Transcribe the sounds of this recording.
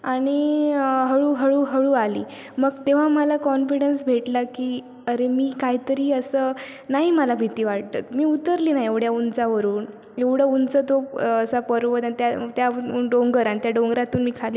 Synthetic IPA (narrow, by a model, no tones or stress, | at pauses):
aɽ̃iɦəɭuːɦəɭuːɦəɭuːalḭː | məɡt̪eʋ̤aməlakɔnfiɽənsbʱeʈlakiː | əɾemiːkaɦit̪əɾiːəsə | naɦiməlabʱit̪iːʋaɽ̚t̪ə̰t̪miːut̪əɾliːnaieʋɽjaunt͡saʋəɾuːn | eʋɽ̤əunt͡sət̪oəsapəɾʋət̪ãit̪jat̪jaɖoŋɡəɾaɽ̃it̪jaɖoŋɡɾat̪uːnmiːkʰaliː